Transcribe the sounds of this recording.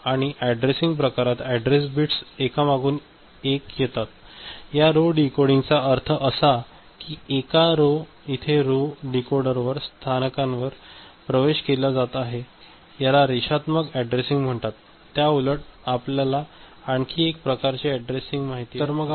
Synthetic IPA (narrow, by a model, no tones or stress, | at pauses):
aɽ̃iʔæɖɾesiŋɡpɾəkaɾat̪ɛɖɾes̬biʈsekamaɡuːn | ekjet̪at̪jaɾoɖikoɽiŋɡt͡saəɾt̪ʰəʔəsa | kiekaɾo | it̪ʰeɾoɖikoɾɖəɾʋəɾst̪ʰanəkãnʋəɾpɾəʋeɕkelad͡zat̪aɦe | jalaɾiʂɕat̪məɡɛɖɾesiŋɡm̤əɳt̪at̪ː | jauləʈ̚apljalaː | ɳkʰiːek̚pɾəkaɾt͡ɕiɛɖɾesiŋɡmaɦit̪it̪əɾməɡ